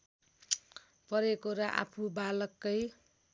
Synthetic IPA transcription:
pʌɾekoɾʌʔa̰pʰubalʌkːʌj

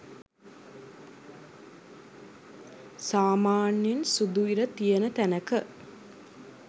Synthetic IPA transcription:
saːmaːnjensud̪uiɾət̪ijənət̪ænəkə

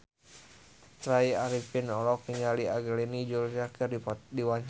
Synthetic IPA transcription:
t̪ɾaiaɾipinɔlɔkːiɲaliaɡəlinid͡ʒuld͡ʒakɨrdidiwaɲ

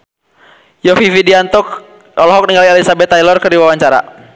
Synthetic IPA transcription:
jɔfifidiant̪ɔk | ɔlɔɦɔk̚niŋɡalialisabɛt̪ːajlɔrkɨrdiwawaɲt͡ʃaɾa̰

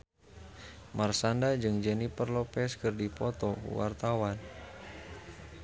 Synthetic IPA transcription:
marsandad͡ʒɨŋd͡ʒənipərlɔpɛskɨrdipɔt̪ɔ̰wa̰rt̪awan

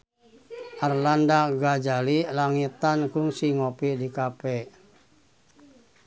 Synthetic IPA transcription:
ʔarlandaɡad͡ʒalilaŋit̪ankuŋsiŋopidikapɛ

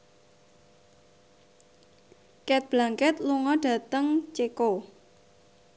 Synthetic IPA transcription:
kɛt̪̚b̥laŋkɛt̪luŋɔɖ̥ä̤t̪əŋt͡ʃeko

